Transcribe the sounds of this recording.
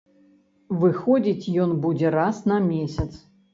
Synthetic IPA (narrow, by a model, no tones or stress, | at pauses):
vɨxɔd͡zʲit͡sʲjɔnbud͡zʲɛrasnɐmʲesʲɐt̪s